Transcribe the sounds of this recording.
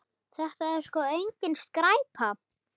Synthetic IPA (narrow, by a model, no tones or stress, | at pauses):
θɛht̪aɛɾ̥skɔejɲcɪnst̪kɾaːjpʰa